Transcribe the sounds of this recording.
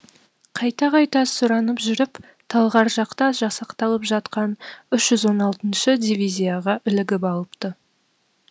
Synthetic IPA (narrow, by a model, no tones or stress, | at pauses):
qʰɑjt̪ɑqʰɑjt̪ɑsʊɾɑnəpʒʏɾɪp | t̪ʰɑlˠʁɑɾʒɑqt̪ɑʒɑsɑqt̪ɑlˠəpʒɑt̪qɑnʏʃʒ̥ʏzwo̞nɑlˠt̪ənʃəd̪ʲijvʲijzʲijaʁɑʔʏlɪɡʲɪpɑlˠəpt̪ə